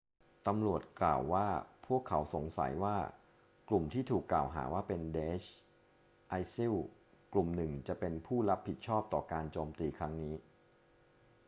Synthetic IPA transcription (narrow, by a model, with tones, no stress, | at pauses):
t̪a˧mɾu˨˩ət̪̚kla̰ː˨˩wːaː˥˩pʰu˥˩əkʰːa˩˦wso˩˦ŋsa̰˩˦jwaː˥˩ | klu˨˩mt̪ʰiː˥˩t̪ʰuː˨˩kːlaː˨˩wɦa̰ː˩˦waː˥˩pe˧ndeː˦˥t͡ɕʰ | ʔa˧jsi˥˩w | klu˨˩mnɯ˨˩ŋt͡ɕa˨˩pe˧npʰuː˥˩ɾa˦˥p̚ʰːi˨˩t̪̚t͡ɕʰɔː˥˩p̚t̪ɔː˨˩kaː˧nt͡ɕoː˧mt̪iː˧kʰɾa˦˥ŋniː˦˥